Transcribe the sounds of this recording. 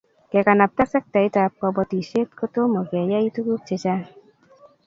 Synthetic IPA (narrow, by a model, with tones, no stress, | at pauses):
kɛ˨ka˨na˨p̚ta˦sɛ˦k̚ta˨i˦ta˨p̚kɔ˧bɔ˧ti˨ʃe˦t̚ko˦to˦mo˨kɛ˨ja˦i˦tu˦ku˦k̚t͡ʃe˧t͡ʃa˦